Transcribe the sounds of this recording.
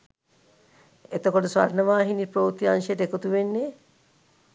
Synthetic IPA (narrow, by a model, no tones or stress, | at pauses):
et̪okoʈəsʋa̰rnəʋaːɦinipɾoːt̪ianʃəjeʈəekot̪uʋenːe